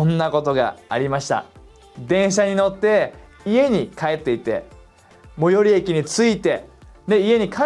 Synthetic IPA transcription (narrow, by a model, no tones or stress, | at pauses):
õnːako̞t̪o̞ɡa̰ːɾʲimaɕi̥t̪a̰ | d̪ẽ̞ɰ̃ɕaɲ̟ino̞t̪ːe̞ | ie̞ɲ̟ikae̞t̪ːe̞it̪e̞̰ | mo̞jo̞ɾʲie̞kʲiɲ̟it͡sɨit̪e̞ne̞ie̞ɲ̟ikʰa